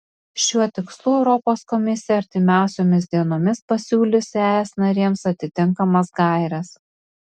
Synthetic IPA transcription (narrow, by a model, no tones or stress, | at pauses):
ʃʲuɔt̪ʲɪkslˠʊɛʊɾɔpoːskɔmʲɪsʲɪjɛɐɾʲt̪ʲɪmʲæˑʊsʲoːmʲɪzd̪ʲiɛnoːmʲɪspɐsʲuːlʲɪsʲæːɛsnɐɾʲiɛmsɐt̪ʲɪt̪ʲɪŋkɐmɐsɡɐˑɪɾʲɛs